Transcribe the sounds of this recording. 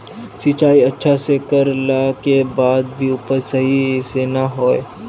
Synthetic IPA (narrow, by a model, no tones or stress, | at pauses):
sit͡ʃaːiɐtːʃʰasekəɾlakebaːd̪̚bʱiʊpəɾsɐɦisenaɦoːḛ